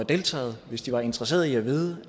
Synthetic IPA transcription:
ɑd̥e̝ːlt͡sʰɛ̰ːð̩ˠʋe̝sd̥iʋɑ̈e̝nd̥ʁɐse̝̰ːɐðˠiæʋiːð̞ˠə

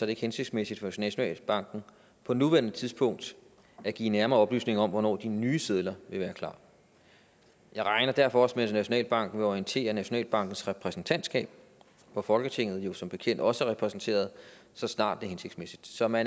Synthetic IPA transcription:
sɒ̽d̥ɾe̝e̝ɡ̥hense̝ɡ̥smesid̥fɒnæɕo̝nɛ̰ːlb̥ɑ̈ŋ̰ɡ̥n̩ | pʰɒ̽nuʋæɐnət͡sʰiðˠsb̥ɔ̽ŋ̰d̥ | æɡ̥ḭːnæɐmɐːɒ̽b̥ly̰ːsne̝ŋɐɒ̽mʋɒnɒ̰ːd̥inyːseð̞ˠlɐʋe̝ʋæːɐkʰlɑ̰̈ː | jɑ̈ɪʁɑ̈ɪnɐd̥æɐ̰fɒ̽ɒ̽smensnæɕo̝nɛ̰ːlb̥ɑ̈ŋ̰ɡ̥n̩ʋe̝ɒiənt͡sʰe̝̰ːɐnæɕo̝nɛ̰ːlb̥ɑ̈ŋ̰ɡ̥n̩sʁɛpʰʁɛsn̩t͡sʰæn̰d̥sɡ̥ɛ̰ːb̥̚ | ʋɒfɒ̽lɡ̥ət͡sʰe̝ŋ̰ð̞̩ˠjo̝sɒ̽mb̥e̝kʰen̰d̥ɒ̽səæʁɛpʰʁɛsn̩t͡sʰe̝̰ːɐð̞̩ˠsɒ̽snɑ̰̈ːd̥ːe̝ɦense̝ɡ̥smesid̥sɒ̽mæn

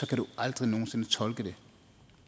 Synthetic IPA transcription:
sɒ̽kʰæɾ̥uʔɑ̈ld̥ʁino̝ːn̩se̝nət͡sʰɒ̽lɡ̥əde̝

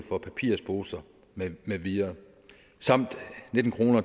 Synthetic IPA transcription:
fɒ̽pʰæpʰiːɐ̰sb̥o̝ːsɐ | meʋiɐ | sɑ̈m̰d̥ned̥n̩kʰʁo̝ːnɐ

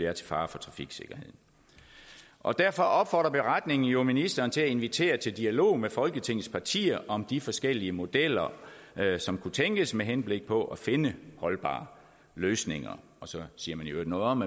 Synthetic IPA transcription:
eæɐt͡sʰe̝fɑ̈ːfɒ̽t͡sʰʁɑ̈fiɡ̥se̝ɡ̥ɐhe̝ð̰ˠ | ʔɒ̽d̥æɐfɒ̽ʔɒ̽b̥fɒːd̥ʁɐb̥e̝ʁad̥ne̝ŋn̩jo̝minisd̥ɐːnt͡sʰe̝æe̝nʋit͡sʰe̝̰ːɐt͡sʰe̝ld̥iælo̝̰ːmefɒ̽lɡ̥ət͡sʰe̝ŋ̰ð̩ˠspʰɑ̈t͡sʰḭːɐʔɒ̽md̥ifɒ̽sɡ̥el̰iəmo̝d̥el̰ɐ | sɒ̽mkʰut͡sʰeŋɡ̥əsmeɦenb̥le̝ɡ̥̚pʰɒ̽ʔæfe̝nəhɒ̽lb̥ɑ̰̈ː | løːsne̝ŋɐ̰ | ɒ̽sɒ̽siːɐmænjod̥nɔ̽ːðˠɒ̽m

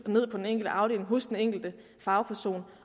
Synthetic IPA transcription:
ne̝ð̰ˠpʰɒd̥eneŋ̰ɡ̥l̩dəʔɑ̈ʊɾ̥ḛːle̝ŋɦɔ̽sd̥eneŋ̰ɡ̥l̩d̥ə | fɑ̈ʊpʰæɐso̝̰ːn

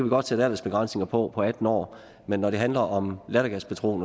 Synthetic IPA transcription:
æʋiɡ̥ɒ̽d̥t͡sʰeæd̥æɐləsb̥e̝ɡ̥ʁɑ̈n̰sne̝ŋɐpʰɒ̽pʰɒ̽æd̥n̩ɒ̰ː | menːɒɾe̝ɦænlɐʔɒ̽mlæɾɐɡ̥æspʰæt͡sʰʁo̝̰ːn

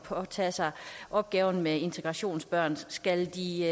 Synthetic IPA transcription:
pʰɒ̽t͡sʰɛ̰ːsɑ̈ɪʔɒ̽b̥̚ɡ̥ɛːʊn̩mee̝nt͡sʰeɡ̥ʁɑ̈ɕo̝̰ːnsb̥ɶɐ̰nsɡ̥æld̥i

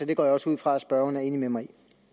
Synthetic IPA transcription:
ɒd̥e̝ɡ̥ɒ̰ːjɑ̈ɒ̽suð̞̰ˠfʁɑ̈æsb̥ɶɐn̩æɐe̝ːnimemɑ̈ɪi

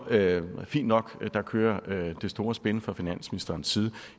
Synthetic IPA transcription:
fḭːnd̥nɒ̽ɡ̥d̥ɑ̈kʰøːɐd̥e̝sd̥o̝ːɐsb̥enəfʁɒfinæn̰sminisd̥ɐːn̩sːiːð̞̩ˠ

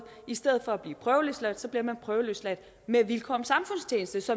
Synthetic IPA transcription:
isd̥eð̩ˠfɒ̽æb̥liːpʰʁœːʊløslæd̥sɒ̽b̥liɐmænpʰʁœːʊəløslæd̥ | meʋilkʰɒ̽msɑ̈mfɔ̽n̰st͡sʰjeːnəsd̥əsɒ̽

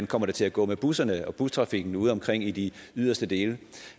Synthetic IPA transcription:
nkʰɒ̽m̰ɐɾ̥et͡sʰe̝læɡ̥ɔ̰̽ːmeb̥usɐnəɒ̽b̥ust͡sʰʁɑ̈fiɡ̥n̩uːð̞̩ˠɒ̽mkʰʁeŋ̰id̥iyð̞̰ˠɐsd̥əd̥e̝ːlə

